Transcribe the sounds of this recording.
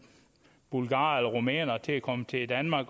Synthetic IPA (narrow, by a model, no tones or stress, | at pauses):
b̥ulɡ̥ɑ̰̈ːelɒʁo̝mɛ̰ːnɐt͡sʰe̝ækʰɒ̽mət͡sʰe̝d̥ænmɑ̈ːɡ̥